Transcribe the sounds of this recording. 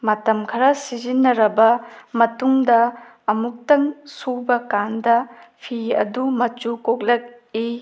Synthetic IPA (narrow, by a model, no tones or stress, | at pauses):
mɐtɐmkʰɐɾɐsizinːɐɾɐbɐmɐtuŋdɐː | muk̚tɐŋsubɐkandɐpʰiɐ̰dumɐt͡ʃukok̚lɐk̚ | i